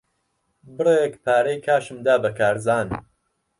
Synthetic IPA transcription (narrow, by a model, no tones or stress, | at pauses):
bɨrekpʰaːɾɐjkʰaːʃɨmd̪aːbɐkʰaːɾzaːn